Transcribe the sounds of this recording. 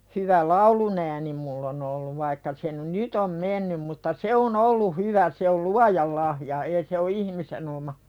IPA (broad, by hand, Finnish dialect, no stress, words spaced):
hyʋæ lɑulunæːni mulː on olːuʋ ʋɑikːɑ se n nyt om menːym mutːɑ se on olːu hyʋæ se ol luɑjɑl lɑhjɑ eː se o ihmisen omɑ